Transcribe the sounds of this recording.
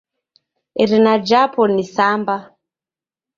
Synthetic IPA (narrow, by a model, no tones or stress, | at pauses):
iɾinad͡ʒapʰɔnisamba